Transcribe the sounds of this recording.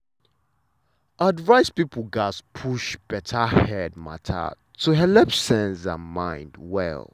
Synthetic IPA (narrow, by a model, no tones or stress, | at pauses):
ʔadvaɪspipəl̩ˠɡaspʰuʃb̥ɛtʰəhɛd̚ma̰tʰa̰ | tʰəɦɛlɛpsɛ̃nsã̰nmãɪ̃ndwɛ̰l